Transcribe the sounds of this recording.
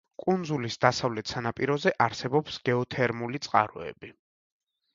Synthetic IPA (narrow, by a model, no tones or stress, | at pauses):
kʼund̪zulisd̪asavlɛt̪ʰsanapʼiɾɔzɛʔaɾsɛbɔpsɡ̥ɛɔt̪ʰɛɾmulit̪sʼqʼa̰ɾɔ̰ɛ̰bi